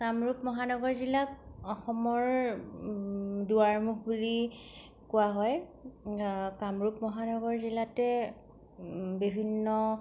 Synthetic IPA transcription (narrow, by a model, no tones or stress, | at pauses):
kamɹupmɔɦanɔɡɔɹzilak̚ɔxɔmɔɹ | duaɹmukbuli | kʊaɦɔj | kamɹupmɔɦanɔɡɔɹzilatɛ | bibʱinːɔ